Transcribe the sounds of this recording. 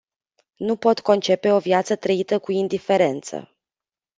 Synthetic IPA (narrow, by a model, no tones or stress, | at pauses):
nupo̞t̪ko̞nt͡ʃe̞pe̞o̞vjat̪sət̪ɾəit̪əkuind̪ife̞ɾe̞nt̪sə̰